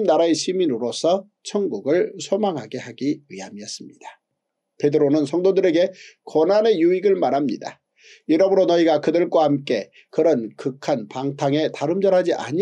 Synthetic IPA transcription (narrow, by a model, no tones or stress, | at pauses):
mnaɾae̞ɕʰiminɯɾosʰʌ | t͡ɕʰʌŋɡuɡɯɭsʰomaŋɦaɡe̞haɡiiamiʌs͈ɯmɲid̥ḁ | pe̞dɯɾonɯnsʰʌŋdodɯɾe̞ɡe̞konane̞juiɡɯɭmaɾɦamɲḭda̰ | jiɾʌmɯɾonʌiɡakɯdɯɭk͈wahamk͈e̞ | kɯɾʌnkɯkʰanpaŋtʰaŋe̞taɾɯmd͡ʑʌɾɦad͡ʑiʔa̰ɲi